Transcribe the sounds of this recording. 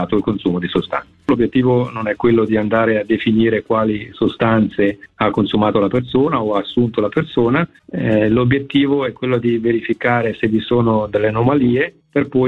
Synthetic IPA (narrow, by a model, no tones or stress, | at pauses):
aːt̪oilkonsuːmod̪isost̪a̰nt̪lobjet̪ːiːvononɛkːwelːod̪iand̪aːɾead̪ːefiniːɾekwaːlisost̪ant̪seakːonsumaːt̪olapersoːnaoaːsːunt̪olapersoːna | lobjet̪ːiːvoɛkːwelːod̪iveɾifikaːɾesevːisoːnod̪elːeanomaliːe | perpɔ